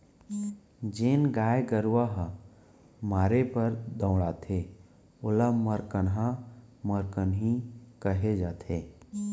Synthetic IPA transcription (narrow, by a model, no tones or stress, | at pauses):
d͡ʒeːnɡaːjeɡəɾwaɦ | maːɾepəɾd̪ə̃ːɽaːt̪ʰe | ʊlaməɾkənɦaməɾkənɦikəɦed͡ʒaːt̪ʰeː